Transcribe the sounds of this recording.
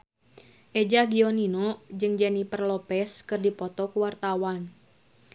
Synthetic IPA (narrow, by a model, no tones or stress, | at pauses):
ʔɛd͡ʒaɡiɔninɔd͡ʒɨŋd͡ʒanipərlɔpɛskɨrdipɔt̪ɔkuwart̪awan